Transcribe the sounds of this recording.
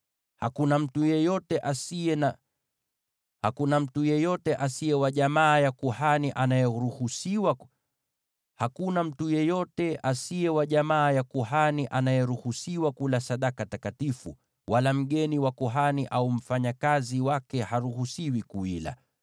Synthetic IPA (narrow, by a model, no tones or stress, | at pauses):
hakunam̩tujɛjɔtɛʔain | hakunam̩tujɛjɔtɛʔasijɛwaʄamaːjakuhaniʔanajɔɾuhusiwa | hakunam̩tujɛjɔtɛʔasijɛwaʄamaːjakuhaniʔanajɛɾuhusiwakulasaɗakatakatifṵ | walam̩ɠɛniwakuɦaniʔaum̩faɲakaziwakɛhaɾuhusiwikuwila̰